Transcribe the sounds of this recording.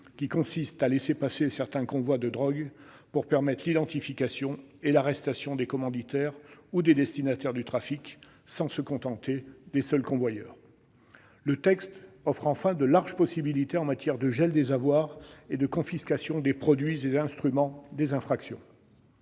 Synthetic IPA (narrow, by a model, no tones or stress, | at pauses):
kʲikɔ̃sist̪alesepasesɛʁt̪ɛ̃kɔ̃vwad̪əd̪ʁɔɡ | puʁpɛʁmɛt̪χlid̪ɑ̃t̪ifikasjɔ̃elaʁɛst̪asjɔ̃d̪ekɔmɑ̃d̪it̪ɛʁud̪ed̪ɛst̪inat̪ɛʁd̪yt̪χafik | sɑ̃səkɔ̃t̪ɑ̃t̪ed̪esœlkɔ̃vwajœ̰ːʁ | lət̪ɛkst̪ɔfχɑ̃fɛ̃d̪əlaʁʒpɔsibilit̪eɑ̃mat̪jɛʁd̪əʒɛld̪ezavwaːʁed̪əkɔ̃fiskasjɔ̃d̪epχɔd̪ɥizeɛ̃st̪χymɑ̃d̪ezɛ̃fχaksjɔ̃